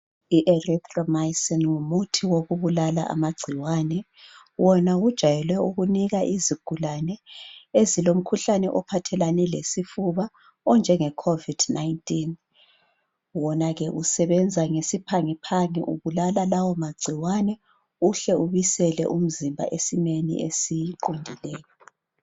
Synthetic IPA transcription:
iʔɛrɛt̪ʼrɔmajsɔnŋumutʰiwoɣuβulala̰ʔa̰maɡ͡ǀʱiwanɛ | wɔnaɣud̥ʒ̥ʱajɛlwɛuɣuniɣaʔiziɡ̥ʱulanɛezilom̩kʰuɬanɛʔɔpʰatʰɛlanɛlesifuβa | ɔnd͡ʒʱɛŋɛkʰovid̥naintʼin | wɔnaɣɛʔusɛβɛnd͡zʱaŋesipʰaŋipʰaŋɛ̰ʔuβulalalawɔmaɡ͡ǀʱiwanɛ | uɬɛuβisɛlɛ̰ʔum̩zimbʱa̰ʔesimenḭʔesiǃundʱilɛːjɔ

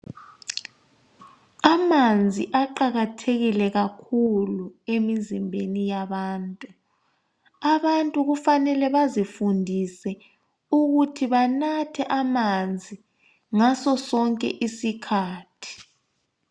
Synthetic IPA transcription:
amand͡zʱiʔaǃaɣatʰeɣilɛɣakʰuluemizimbʱenijaβaːntʼu | aβantʼuɣufanɛlɛβazifundʱisɛ | uɣutʰiβanatʰɛʔamand͡zʱi | ŋasɔsɔŋkʼɛ̰ʔisikʰaːtʰi̥

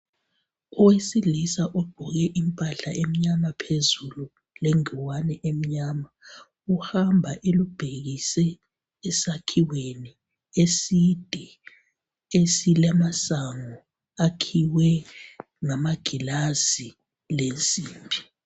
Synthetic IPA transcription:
ɔwesilisaʔɔɡ͡ǃ̥ʱɔɣɛʔimpʼaɬa̰ʔem̩ɲamapʰezulu | leŋiwanɛʔem̩ɲaːma | uhambʱaʔelub̥ʱeɣisɛː | sakʰiweni | esid̥ʱɛ | esilamasaŋɔ | akʰiwɛ | ŋamaɡ̥ʱilazi | lent͡sʼiːmbʱi

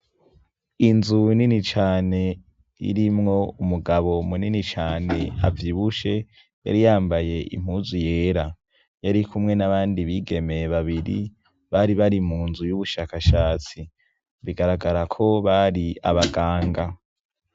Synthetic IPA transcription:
inzuninit͡ʃaːne̞ | ḭɾimŋo̞umuɡaβo̞muninit͡ʃaːne̞a̰vjiːβuʃe̞ | ja̰ɾijaːmbaje̞ʔḭm̥huːzujeːɾa | jaɾikʰumŋe̞naβaːndiβiɡe̞meβaβiɾḭ | βaɾiβaɾimuːnzujuβuʃaːkaʃaːt͡si | βiɡaɾaɡaɾakʰo̞βaɾia̰βaɡaːŋɡa

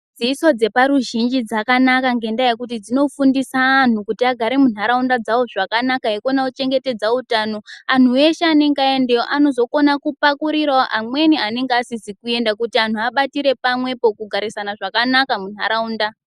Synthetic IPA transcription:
d͡ziːso̞d͡ze̞paɾuʒind͡ʒid͡zakanakaŋɡe̞ndajekut̬id͡zino̞fundisaːn̤ukutiaɡʱaɾemun̤aɾaundad͡zawo̞ʐakanakaekonaut͡ʃe̞ŋɡe̞te̞d͡zautano̞an̤ue̞ʃeaneŋɡae̞ndeoʔano̞zo̞ko̞nakupakuɾiraoʔamwe̞nianeŋɡeasisikue̞ndakutian̤uaɓatiɾe̞pamwe̞po̞kuɡʱaɾisanaʐakanakamun̤aɾauːnda

